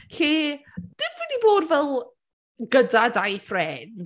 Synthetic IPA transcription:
ɬiːd̥ɪmwɪdiboːdvɛlˠ | ɡədadajfrɛn

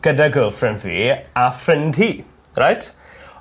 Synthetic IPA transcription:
ɡ̥ədaɡəːlˠfrɪnvḭːafrɪndhi | rajtʰ

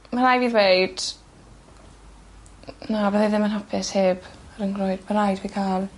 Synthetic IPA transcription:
manajviːðwejd̥ | nabəðaðɪmanɦɔpʰɛsheːbaɾəŋɡrɔjdmanajdviːkʰaːlˠ

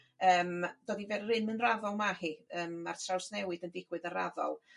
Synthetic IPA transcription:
əːmd̥ɔːdivɛrrɨnmɨnravɔlˠmahiəːmːa̰rtʰrawsnɛwɨdəndɪɡ̥wɨðənra̰ðɔ̰lˠ

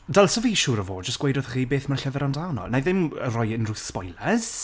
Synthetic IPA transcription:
dalˠsɔviːʃuːɾəvo̰ːdd͡ʒəstɡ̥ejdɔðχiːbeːθmarɬəvɛɾandawnɔ̰naðɪmərɔjɪnruːθspɔjlɛz̥

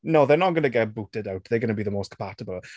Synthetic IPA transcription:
noðɛnɔnɡənəɡɛtbutɛdawtʰðejɡənəbiːðəmoːstkʰmpʰatəbəlˠ

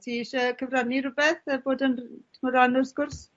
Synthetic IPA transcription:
tʰiːʃəkʰəvraniɾʊbɛθəboːdəntʰməɾanɔrskʊrs

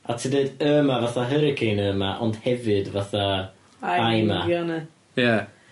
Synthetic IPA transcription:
atʰidəːdəːmavaθaɦəɾəkʰenəːəmaʔɔnd̥hɛvɨdvaθa | ajmaanə | ja

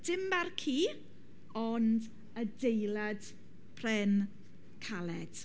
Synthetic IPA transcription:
d̥ɪmbarkʰiː | ɔnd | ədejlad | pʰrɛn | kʰalɛd̥

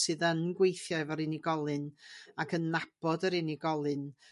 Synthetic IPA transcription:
sɨːðənɡwejθjavəɾɨniɡɔlˠɨnakʰənnab̥ɔdəɾɨniɡɔlˠɨn

